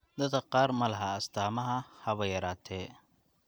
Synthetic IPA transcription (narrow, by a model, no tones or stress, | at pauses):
d̪ɐd̪ɐqɑːɾmɐlɐɦɐɐst̪ʰaːmɐɦɐhɐβɐjɐɾaːt̪ʰɛː